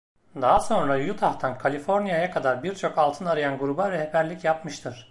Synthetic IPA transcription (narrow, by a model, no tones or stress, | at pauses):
d̪aɦaso̞nɾajut̪ʰaht̪ʰankʰalʲifo̞ɾnijajakʰad̪aɾbiɾt͡ʃʰo̞kalˠt̪ʰɯnaɾɯjanɡuɾubavɛhepʰæɾlʲicjapmɯʃt̪ʰɯɾ̥